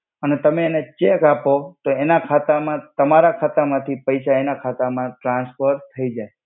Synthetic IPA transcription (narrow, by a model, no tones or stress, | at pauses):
ənet̪əmẽːnet͡ʃekapot̪oenakʰat̪amãt̪əmaɾakʰat̪amãt̪ʰipəjʃaenakʰat̪amãʈɾãnsfəɾt̪ʰəid͡ʒaj